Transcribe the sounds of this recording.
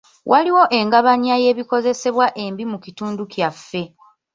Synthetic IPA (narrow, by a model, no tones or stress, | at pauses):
wʔaliwo̞ʔe̞ŋɡaβaɲiaje̞ːβiko̞ze̞se̞βwaʔe̞mbimukituːndukjafːe̞